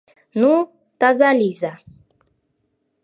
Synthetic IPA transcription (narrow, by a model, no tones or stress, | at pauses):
nu | t̪azalʲiza